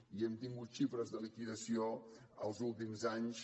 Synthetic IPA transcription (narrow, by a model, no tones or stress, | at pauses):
iɛmt̪iŋɡut̪ʃifɾəzðəlikiðəsio | əlˠzulˠt̪imzaɲs